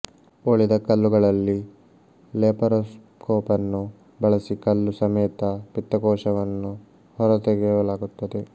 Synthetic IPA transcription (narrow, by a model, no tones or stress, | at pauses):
oɭid̪ɐkɐlːuɡɐɭɐlːi | leːpɐɾɐs | kɔːpɐnːu | bɐɭɐsikɐlːusɐmɛːt̪ɐpit̪ːɐkɔːʂɐʋɐnːu | hɔɾɐt̪eɡɛʋɐlaːɡut̪ːɐd̪e̞